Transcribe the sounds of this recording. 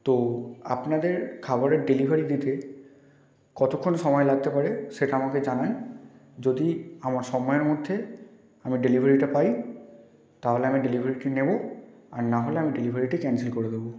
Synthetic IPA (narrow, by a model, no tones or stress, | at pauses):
t̪oa̰pnadeɹkʰabɔɹɛɖelibʱaɹiditɛ | kɔtʰɔkʰːonsɔmɔjlaɡ̚t̪ɛpaɹɛsetaamakɛzanan | zodiamaɹsɔmɔjɔɹmodʱːɛ | amiɖelibʱaɹitapaj | taɦolɛamiɖelibʱaɹiʈinebɔaɹnaɦolɛamiɖelibʱaɹiʈɛkɛnsilkoɹidebɔ